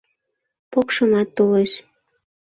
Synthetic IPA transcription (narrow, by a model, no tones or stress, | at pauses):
pokʃɤ̆mɑt̪ːoleʃ